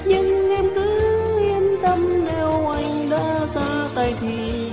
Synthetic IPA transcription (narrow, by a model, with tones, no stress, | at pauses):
ɲɨ˧ŋʔɛ˧mkɨ˨˦hi˧ənt̪ə˧mnɛ˨˧˩wʔa˧jŋɗaː˧˥saː˧t̪a˨˩jt̪ʰi˨˩